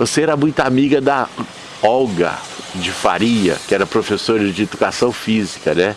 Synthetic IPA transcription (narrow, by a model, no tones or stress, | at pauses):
voseɛɾɐmũj̃t̪ʊamiɡɐd̪ɐ | ɔwɡɐ̰ | d͡ʒɪfa̰ɾiɐ̰kɪɛɾɐpɾofesoɾd͡ʒɪed̪ukasɐ̃w̃fizikɐnɛ